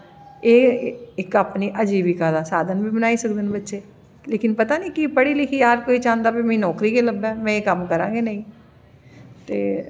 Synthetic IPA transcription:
eːɪkaːpniːʔəd͡ʒiːbiːkad̪aːsaːd̪ʱənbiːbənaːiːsək̚d̪ənbətːʃeː | leːkɪnpət̪aːniːkipəɽiːlɪkʰiːaːɾkoːiːt͡ʃãːnd̪aːbiːmɛ̃ĩːnɔːkɾiːkeːləbɛːmɛ̃ːeːkəmkəɾãːɡeːnəĩː | t̪ḛː

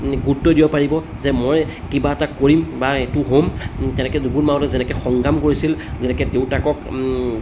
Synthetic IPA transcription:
ɡutːɔdijɔpaɹibɔ | zɛmojkibaɛtakoɹimbaetʊɦomtɛnɛkɛdubunmaɔlɛzɛnɛkɛxɔŋɡamkoɹisilzɛnɛkɛteʊtakɔk

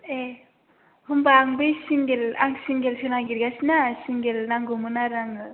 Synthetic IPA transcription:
e | hɯmbaːŋbesiŋɡelaŋsiŋɡelsʰenaɡiɾɡasinasiŋɡelnaŋɡumɯnaɾaŋɯ

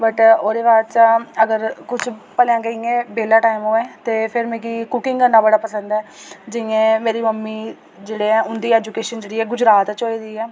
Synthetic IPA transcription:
bəʈoːd̪eːbaːt͡ʃaəɡəɾkʊt͡ʃʰpəljãːɡəĩːẽːbeːlaːʈaːɪmoːɛːt̪eːpʰɪɾmẽːɡiːkʊkɪŋɡənːãːbəɽaːpəsə̃nd̪ɛːd͡ʒɪẽːmeːɾiːməmːiː | d͡ʒeːɽeːɛ̃ːʊnd̪iːɛːd͡ʒukeːʃənd͡ʒeːɽiːɛːɡʊd͡ʒɾaːt̪t͡ʃɦoːiːd̪iːɛː

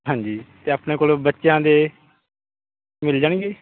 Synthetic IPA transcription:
ɦãːɲd͡ʒiːt̪eːaːpneːkoːlbətːʃjãːd̪eː | mɪld͡ʒaːɳɡeː

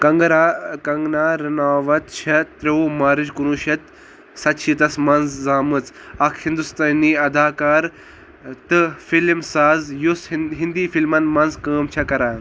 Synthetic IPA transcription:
kɐŋɡɾakɐŋɡnaːɾinaːʋɐt̪t͡ʃʰɐt̪ɾeumaːɾid͡ʒkunuːʃɐt̪ | sɐt̪t͡ʃʰit̪ɐsmɐnzzaːmɨt͡s | ɐkʰhind̪ust̪aːniːɐd̪aːkaːɾ | t̪ɨfilmsaːzjusɦind̪iːfilmɐnmɐnzkəːmt͡ʃʰɐkɐɾaː

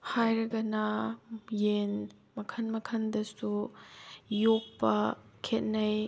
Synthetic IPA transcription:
hajɾɐɡɐnɐ | jen | mɐkʰɐnmɐkʰɐndɐsu | jok̚pɐkʰet̚nɐj

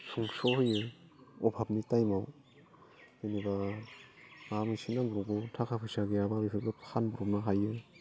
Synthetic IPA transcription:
suŋsɔhɯjɯɔbʱap̚nitajmaw | ɯjniba | amisinabuɾɔbɔtʰakʰapʰɯjsaɡiababipʰɯp̚lapʰanbuɾɔpnaɦajɯ

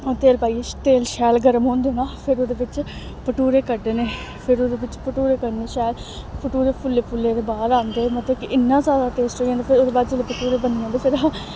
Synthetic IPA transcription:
ot̪eːlpaːiet̪eːlʃɛːlɡəɾəmɦõːnd̪eːnãːpʰɪɾoːd̪eːʋɪt͡ʃ | pəʈuːɾeːkəɖːeːneː | pʰɪɾoːd̪eːʋɪt͡ʃpəʈuːɾeːkəɾneːʃɛːlpəʈuːɾeːpʰʊlːeːpʰʊlːeːd̪eːbaːd̪ãːnd̪eːmət̪ləbkɪɪnːãːzaːd̪aːʈeːsʈɦoːiːãnd̪eːpʰɪɾoːd̪eːbaːd̪d͡ʒeleːpəʈuːɾeːbəndiːãnd̪eːpʰɪɾ

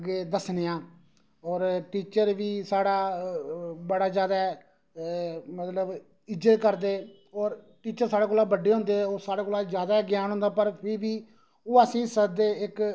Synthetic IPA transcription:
ɡeːd̪əsneːãː | ɔːɾʈiːt͡ʃəɾʋiːsaːɽaː | bəɽaːzjaːd̪aː | mət̪ləb | ɪd͡ʒət̪kəɾd̪eː | ɔːɾ | ʈiːt͡ʃəɾsaːɽaːkoːlːaːbəɖːeːɦõːnd̪eːɛoːsaːɽaːkoːlaːd͡ʒjaːd̪aːɡɪjaːnɦõnd̪aːpəɾpʰɪɾʋiː | oːəsĩːsəd̪eːɪk

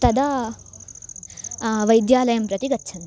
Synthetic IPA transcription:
t̪ɐd̪a | ʋɐjd̪jaːlɐjɐmpɾɐt̪iɡɐtːʃʰɐn

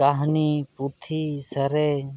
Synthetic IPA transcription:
aɦniput̪ʰisɐɾeː

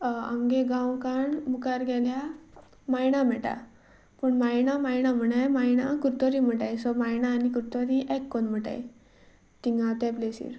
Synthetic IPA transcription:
a̰ŋɡeɡãwkaɳmukaɾɡʱɛlja | majɳam̤ɛʈa̰ | pəɳmajnamajɳam̤əɽajmajna̰kuɾt̪ɔɾim̤əʈajsɔmajnaːnikuɾt̪ɔɾiʔɛkːɔnm̤əʈa̰j̰ | t̪iŋɡat̪ɛplesḭːɾ

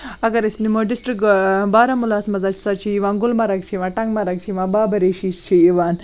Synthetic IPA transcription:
ɐɡɐɾɐsʲnimoɖisʈɾikbaːɾɐmulaːsmɐzaːt͡ʃʰi̥sat͡ʃʰiːʋaːnɡulmɐɾɐk̚t͡ʃʰiʋãːʈɐŋɡmɐɾɐk̚t͡ʃʰiʋãːbaːbɐɾeʃist͡ʃʰiiʋaːn

